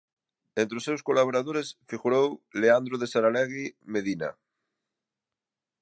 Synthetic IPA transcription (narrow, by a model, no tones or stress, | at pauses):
ent̪ɾeosewskolaβ̞oɾaðoɾesfiɣuɾowleand̪ɾoðesaɾaleɣimeðina̰